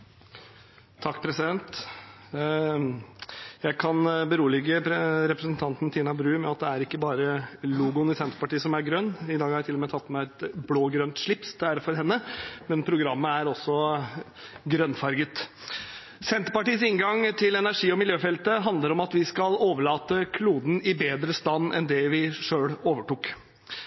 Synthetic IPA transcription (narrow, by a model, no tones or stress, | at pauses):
t̪ʰɑkːpʰɾɛsɪd̪ɛnt̪ | jæɪkʰɑnbəɾuːəlɪɡəɾɛpɾəsənt̪ʰɑnt̪n̩t̪ʰiːnɑbɾʉːmɛɑt̪̚d̪ɛæɾɪkːəbɑːɾəluːɡʊnɪsɛnt̪əɾpɑʈiːəsɔmæɾɡɾœnːɪd̪ɑːɡhɑɾjæt̪ɪlɔmeːt̪ʰɑt̪ːmæɪɛt̪bɽoːɡɾœnt̪ʂɭɪpsd̪ɛæɾfɔɾɦɛnːəmɛnpʰɾʊɡɾɑmːəæɾɔsːɔ | ɡɾœnːfɑɾɡət̪ | sɛnt̪əɾpɑʈiːəsɪŋɡɑŋt̪ʰɪlɛnæʂiːɔmɪljøːfɛlt̪əɦɑnd̪ləɾɔmɑt̪ʋɪskɑloːʋəɭɑːt̪əkʰluːd̪n̩ɪbeːd̪ɾəst̪ɑnːɛ̰nd̪ɛʋɪʂøːɽoːʋəʈuːk